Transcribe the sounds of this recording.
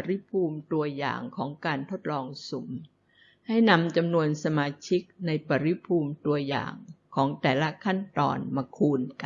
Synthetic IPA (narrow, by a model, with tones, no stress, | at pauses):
ɾi˦˥pʰuː˧mt̪u˧ɐja̰ː˨˩ŋkʰɔː˩˦ŋkaː˧nt̪ʰo˦˥t̪̚lɔː˧ŋsṵ˩˦m | ha˥˩jna˧mt͡ɕa˧mnu˧ənsa˧maː˧t͡ɕʰi˦˥k̚na˧jpa˨˩ɾi˦˥pʰuː˧mt̪u˧ɐja̰ː˨˩ŋkʰɔː˩˦ŋt̪ɛː˨˩la˦˥kʰa˥˩nt̪ɔ̰ː˧nmaː˧kʰuː˧nk